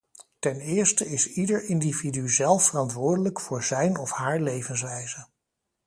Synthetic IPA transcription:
tɛnɪːɹstəɪsidəɹɪndividyzɛlˠfərɑntʋʊːɹdələkfʊːɹzɛjnɔfhaːɹlejvəns̬ʋɛjzə

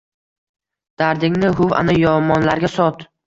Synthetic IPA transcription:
d̪̥aɾd̪ɪŋnɪɦʊva̰najɒmɒnlaɾɡʲasɒt̪

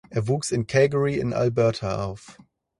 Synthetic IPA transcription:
ʔeːɐvuːksɪnkʰɛːɡəɹiɪ̰nʔa̰lbɛɐtʰaʔa̰ʊf

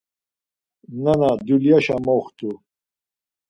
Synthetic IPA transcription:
nɐnad̪uljaɕamoxt̪u

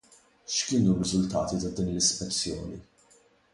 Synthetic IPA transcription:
ʃkɪːnurːɪzʊlt̪ɐ̰ːt̪it̪ɐd̪iːnlɪspɛt͡sːjɔːni

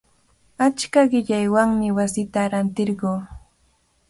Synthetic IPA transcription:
at͡ʃkaɢɪʎajwaŋmɪwasɪt̪aɾant̪ɪɾɢoː

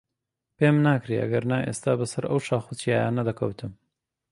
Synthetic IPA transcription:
peːmnaːkɾeɐ̰ɡɐɾnaːʔeːst̪aːbɐsɐɾɐ̰wʃaːxut͡sijaːjanɐd̪ɐkʰɐwt̪ʰɨm

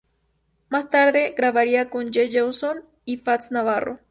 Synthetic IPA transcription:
mast̪aɾðe̞ɣɾaβaɾiakond͡ʒeʝewson | ifat̪snaβaro̰

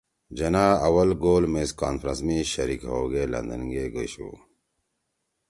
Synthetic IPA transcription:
d͡ʑɐnaːɐwɐlɡoːlmeska̰ːnfɾɐnsmiɕɐɾikɦoːɡeːlɐ̰nd̪ɐnɡeːɡoɕṵː

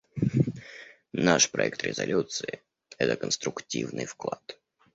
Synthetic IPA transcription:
naʂpɾɐɛk̚t̪ɾʲɪzɐlʲut̪sɨɪ | ɛt̪əkənst̪ɾʊktʲivnɨjfklˠat̪

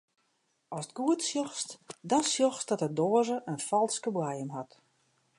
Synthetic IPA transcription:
ɔsət̚ɡ̥uətsjɔxstdɔnsjɔxsd̥ɔtədɔəzəʔənfɔlˠskəblajəmɦat

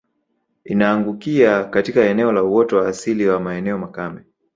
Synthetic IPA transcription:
inaːŋɡukiakatikaɛnɛɔlauwɔtɔwaːsiliwamaɛnɛɔmakamɛ

